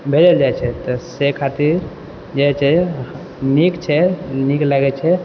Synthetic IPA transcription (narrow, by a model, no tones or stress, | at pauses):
bʱed͡ʒəld͡ʒajt͡ʃʰɛt̪ɔsekʰat̪iɾ | d͡ʒajt͡ʃʰɛ | nikt͡ʃʰɛniklaɡɛt͡ʃʰɛ